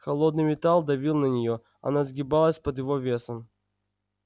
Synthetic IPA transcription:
xɐlˠod̪nɨjmʲɪt̪alˠd̪ɐvʲilˠnənʲɪjo | ɐ̰nazɡʲɪbalˠəsʲpəd̪jɪvovʲe̞səm

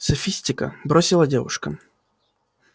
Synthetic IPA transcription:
sɐfʲisʲtʲɪkə̰bɾosʲɪlˠədʲevʊ̰ʂkə

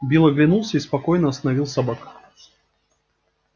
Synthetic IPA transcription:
bʲilˠəɡlʲɪnulˠsʲəispɐkojnəɐst̪ənɐvʲilˠsɐbak

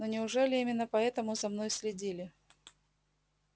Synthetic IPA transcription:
nonʲɪʊʐɛlʲɪimʲɪnːəpɐɛt̪əmʊzɐmnojsʲlʲɪdʲilʲɪ

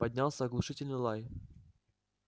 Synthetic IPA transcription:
pɐdʲnʲalˠsʲəɐɡlˠʊʂɨtʲɪlʲnɨjlˠaj

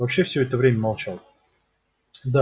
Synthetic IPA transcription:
vɐpɕːefsʲɵɛt̪əvɾʲemʲəmɐlˠt͡ɕalˠ | d̪a

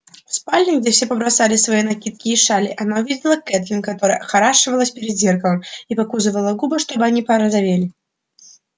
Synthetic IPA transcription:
spalʲːinɡd͡zʲɛfsʲɛpɐbɾasalʲɪsvajinakʲit̪̚kʲiːʂalʲiʔanauvʲid͡zʲɪlˠɐkɛt̪lʲinkat̪ɔɾəjəxaɾaʂɨvɐlˠɐsʲpʲɪɾʲɪd̪ʲzʲerkəvɨmipakuzɨvɐlˠɐɡubɐʂt̪ɔbɨanʲipɐɾɐzavʲelʲɪ

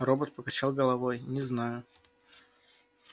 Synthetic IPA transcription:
robət̪̚pəkɐt͡ɕalˠɡəlˠɐvojnʲɪznajʊ

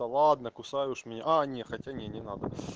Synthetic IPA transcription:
ɐlˠad̪nɐkʊsajʊʂmʲnʲaʔanʲexɐtʲanʲenʲɪnad̪ə

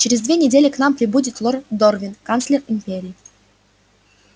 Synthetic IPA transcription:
t͡ɕɪɾʲɪzd̪vʲenʲɪdʲelʲɪknampɾʲɪbudʲɪt̪lˠord̪orvʲɪnkant̪slʲɪrɪmʲpʲeɾʲɪː

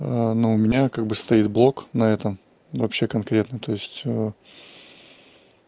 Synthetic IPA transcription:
ənoʊmʲɪnʲakaɡ̚bɨst̪ɐit̪̚blˠo̞knɐɛt̪əm | vɐpɕːe̞kɐnkɾʲe̞t̪nət̪o̞ɪsʲtʲə

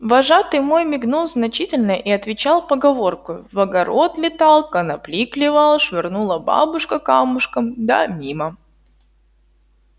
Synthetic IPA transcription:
vɐʐat̪ɨmojmʲɪɡnulˠznɐt͡ɕitʲɪlʲnəʔiɐt̪vʲɪt͡ɕalˠpəɡɐvo̞rkʊvɐɡɐɾo̞t̪lʲɪt̪ɑlˠkənɐplʲiklʲɪvalˠʂvʲɪrnulˠəba̰bʊʂkəkamʊʂkəmd̪a̰mʲimə

